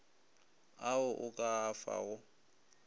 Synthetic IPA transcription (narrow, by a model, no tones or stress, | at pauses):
aʊʔʊkʼaːfa̰ʊ